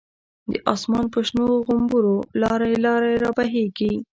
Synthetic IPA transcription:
d̪əʔɑsmɑnpəʃnoɣʊmbuɾolɑɾalɑɾaɾɑbaɦeɡi

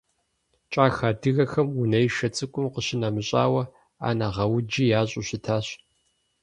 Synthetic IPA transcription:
t͡ʃʼaːxaːdɨɣɐxɐmʊnɐjʃɐt͡sʼɨkʷʼʊmqəɕɪnamɨɕʼa̰ːwɐ | a̰ːnaːʁɐwʊd͡ʒijaːɕʼʊɕɪtʰaːɕ

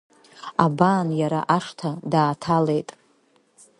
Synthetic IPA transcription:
abaːnjaɾa̰ʔaʂtʰadaːtʰale̞jtʼ

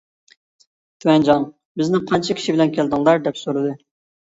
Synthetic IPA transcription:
t̪ʰuwɛnd͡ʒɑn | bɪznɪqʰɑnt͡ʃʰɑkʲʰi̥ʃibɪlɛnkʲʰeld̪ɪŋlˠɑɾd̪ɛpsoɾɨd̪ɨ

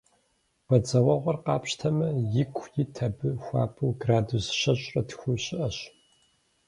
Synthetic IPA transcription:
b̥ɐd͡zɐwɐʁʷɔrqɑːpʰɕtʰɐmɐjɪkʷʼʰjɪtʰɐbɨxʷɑ̰ːpʰɨwɡraːdusɕɐɕʼrɐtʰxʷuɕɪʔɐɕ

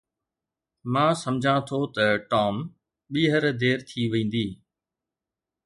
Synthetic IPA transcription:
mãːsɐmd͡ʑʱãt̪ʰot̪ɐʈɔːm | ɓiːɦəɾd̪eːɾt̪ʰiʋẽːn̆d̪iː

